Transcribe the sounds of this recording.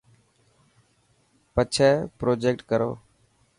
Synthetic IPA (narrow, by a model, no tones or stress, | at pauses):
pət͡ʃʰɛːpɾoːd͡ʒeːk̚ʈkəɾo̰ː